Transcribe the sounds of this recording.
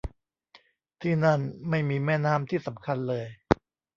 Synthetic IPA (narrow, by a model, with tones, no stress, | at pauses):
t̪ʰiː˥˩na˥˩nma˥˩jmiː˧mɛː˥˩naː˥˩mt̪ʰiː˥˩sa˩˦mkʰa˧nlɤː˧j